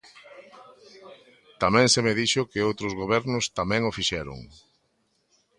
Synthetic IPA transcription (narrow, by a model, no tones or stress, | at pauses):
t̪amɛ̃ŋsemeðiʃʊkɪowt̪ɾʊzɣoβɛɾnʊst̪amɛ̃ŋofiʃɛɾʊ̰ŋ